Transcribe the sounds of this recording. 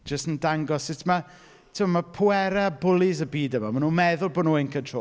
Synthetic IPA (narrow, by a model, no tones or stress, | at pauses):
d͡ʒ̥əstəndaŋɡɔssɪtʰma | tʰɪmamapʰʊɛɾɛbʊlˠɪzəbiːdəmamanuːmɛðʊlˠboːdnuːenkʰəntʰro̰